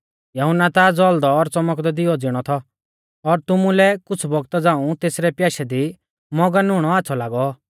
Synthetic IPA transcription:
jɐɦʊnat̪ad͡zɔld̪ɔːɾt͡sɔmɔkd̪ɔd̪ɪɔd͡zɪɽ̃ɔt̪ʰɔ | ɔɾt̪ʊmũlɛkʊt͡sʰbɔɡt̪ad͡zãːũt̪eːsɾɛpjaːʃɛd̪i | mɔɡanʊɽ̃ɔaːtːsʰɔlaːɡɔ

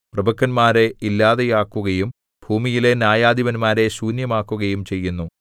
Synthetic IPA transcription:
prɐbʱɐkːɐnmaːɾe̞ilːaːðejaːkːuɣɐjum | bʱuːmijile̞njaːjaːd̪iʋɐnmaːɾe̞suːnjɐmaːkːuɣɐjumt͡ɕe̞jːunːu

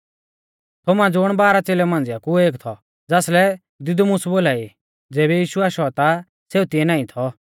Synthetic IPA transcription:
t̪ʰʊmãd͡zʊɽ̃baːɾat͡seːlɛmãːn̆d͡zɪjakueːkt̪ʰɔ | d͡zaːslɛ | d̪ɪd̪umʊ̃sboːlaːi | d͡zɛːbɛjiːʃuaːʃɔt̪a | seːut̪ɪ̃ɛ̃nãːĩt̪ʰɔ

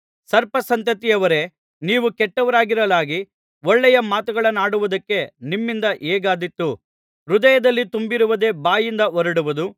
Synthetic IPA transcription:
sɐɾpɐsɐnt̪ɐt̪ijɐʋɐɾe̞ | niːʋukɛʈːɐʋɐɾaːɡiɾɐlaːɡi | ɔɭːɛjɐmaːt̪uɡɐɭɐnːaːɽuʋud̪ɐkːe̞nimːind̪ɐʔeːɡaːd̪it̪ːu | ɾud̪ɐjɐd̪ɐlːit̪umbiɾuʋɐd̪e̞ːbaːjind̪ɐʔɔɾɐɽuʋud̪u

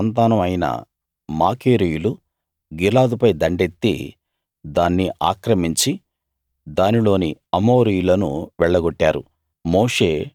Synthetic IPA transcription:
ɐnt̪aːnɐmɐjnɐ̰ | maːkeːɾijulu | ɡilaːd̪upɐjd̪ɐɳɖe̞t̪ːḭ | d̪aːnːiʔaːkɾɐmiɲt͡ʃi | d̪aːnilo̞ːniɐmo̞ːɾijulɐnṵʋɛɭːɐɡoʈːaːɾṵ | moːʂe̞ː

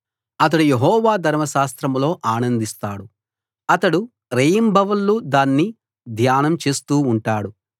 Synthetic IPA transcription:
ɐt̪̬ɐɽujeɦɔːʋaːd̪ʱɐɾmɐʃaːst̪ɾɐmlo̞ːʔaːnɐnd̪ist̪aːɽu | ɐt̪ɐɽu | ɾejɐmbʱɐʋɐlːud̪aːnːi | d̪ʱjaːnɐmt͡ʃe̞ːst̪uːɳʈaːɽu

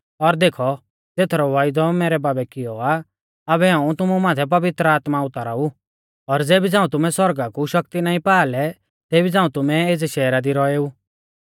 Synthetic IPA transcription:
ɔɾd̪eːkʰɔ | t̪eːt̪ʰɾɔʋaːɪd̪ɔmɛːɾɛbaːbɛkɪjɔaː | bɛɦãːũt̪ʊmumãːt̪ʰɛp̬ɐʋɪt̪ɾəaːt̪maʊt̪aɾau | ɔɾd͡zeːbid͡zãːũt̪ʊmɛ̃swɔɾɡakuʃɐkt̪inãːĩpaːlɛ | t̪eːbid͡zãːũt̪ʊmɛeːd͡zɛʃɛːɾad̪iɾɔeːuː

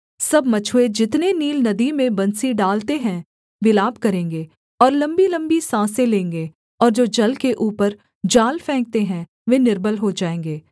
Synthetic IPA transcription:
sɐbmɐt͡ʃʰːed͡ʒɪt̪neniːlnɐd̪imẽbɐnsiɖaːlt̪eɦɛ̃ | ʋɪlaːbkɐɾẽːŋɡe | ɔːɾlɐ̃mbilɐ̃mbisãːsẽlẽːŋɡe | ɔːɾd͡ʒoːd͡ʒɐlkeʔuːpəɾ | d͡ʒaːlfɛ̃ːŋk̚t̪eɦɛ̃ | ʋenɪɾbəlɦod͡ʒaːẽːŋɡeː

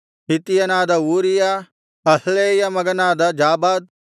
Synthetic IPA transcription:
ɦit̪ijɐnaːd̪ɐuːɾija | ɐsleːjɐmɐɡɐnaːd̪ɐd͡ʒaːbaːd̪̚

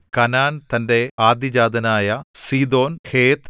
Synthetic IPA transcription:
kɐnaːnt̪ɐnde̞aːd̪jɐd͡ʑaːd̪ɐnaːjɐsiːd̪o̞ːnheːt̪

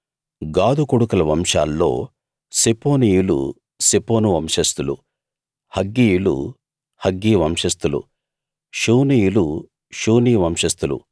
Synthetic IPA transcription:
ɡaːd̪ukoɽukɐlɐʋɐmʂa̰ːlːo̞̰ː | sipoːnijulṵ | sepoːnuʋɐmʂɐst̪ulṵ | hɐɡːijulṵ | hɐɡːiːʋɐmʂɐst̪ulṵ | ʂuːnijulu | ʂuːniːʋɐmʂɐst̪ulṵ

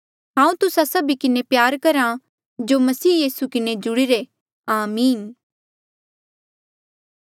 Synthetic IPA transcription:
ɦãːũt̪ʊsasɐbikɪnepjaːɾkɐɾã | d͡ʒoːmɐsiːjiːsukɪned͡ʒʊɽiɾe | aːmiːn

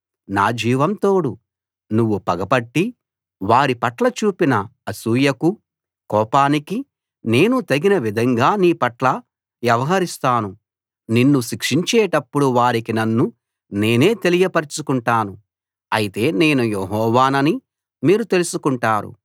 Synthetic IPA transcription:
naːd͡ʒiːʋɐmt̪oːɽu | nuʋːupɐɡɐpɐʈːi | ʋaːɾipɐʈlɐt͡ʃuːpinɐɐsuːjɐku | kɔːpaːniki | ne̞ːnut̪ɐɡinɐʋid̪ʱɐŋɡaːniːpɐʈlɐ | ʋjɐʋɐɦɐɾist̪aːnu | ninːuʃikʂiɲt͡ʃeːʈɐpːuɽuʋaːɾikinɐnːu | ne̞ːne̞ːt̪e̞lijɐpɐɾit͡ʃukuɳʈaːnu | ɐjit̪e̞ːne̞ːnujeɦɔːʋaːnɐni | miːɾut̪e̞lusukuɳʈaːɾṵ

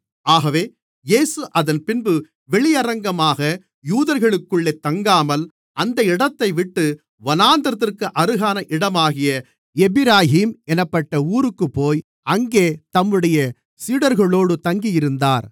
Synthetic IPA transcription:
aːɣɐʋeː | jeːsɯʔɐðɐnpɪnbɯ | ʋɛɭɪjɐɾɐŋɡɐmaːɣɐ | juːðɐɾɣɐɭɯkːɯɭːeːt̪ːɐŋɡaːmɐl | ʔɐnd̪ɐɪɽɐt̪ːɐɪʋɪʈːɯ | ʋɐnaːnd̪ɐɾɐt̪̬ːɪrkɯʔɐɾɯɣaːnɐʔɪɽɐmaːɣɪjɐ | ɛbɪɾaːɦiːmɛnɐpːɐʈːɐuːɾɯkːɯpːoːj | ɐŋɡeːt̪ɐmːɯɽɐjɐ | siːɽɐɾɣɐɭoːɽɯt̪ɐŋɡijɪɾɯnd̪aːɾ

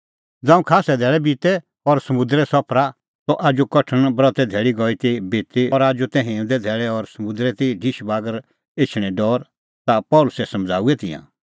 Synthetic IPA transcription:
d͡zãːũkʰaːsɛd̪ʱɛːɭɛbit̪ɛ | ɔɾsɐmʊ̃d̪ɾɛsɔpʰɾa | t̪ɔʔaːd͡ʒukɔʈʰənbɾɔt̪ɛd̪ʱɛːɭiɡɔit̪ibeːt̪eɔɾaːd͡ʒut̪ɛ̃ɦẽːʊ̃d̪ɛd̪ʱɛːɭɛɔɾsɐmʊ̃d̪ɾɛt̪iɖʱɪʃbaːɡəɾ | et͡ʃʰɽ̃ɛ̃ɖɔːɾ | t̪apɔːlʊsɛsɐ̃md͡zʱa̰ːuɛt̪ɪ̰̃jã̰

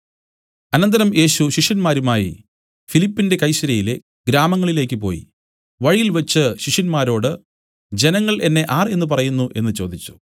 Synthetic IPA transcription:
ɐnɐnd̪ɐɾɐmje̞ːɕuɕiʂjɐnmaːɾumaːjḭ | filipːinde̞kɐjɕɐɾɐjile | ɡ̥ɾaːmɐŋːɐɭile̞ːk̬ʲːɨpo̞̰ːjḭ | ʋɐɻijilʋɐt͡ɕːɨɕiʂɐnmaːɾo̞ːɽɨ | d͡ʑe̞nɐŋːɐɭe̞nːe̞ʔaːre̞nːɨp̬ɐrɐjunːuʔe̞̰nːɨt͡ɕo̞ːd̪ʱit͡ɕːu̥

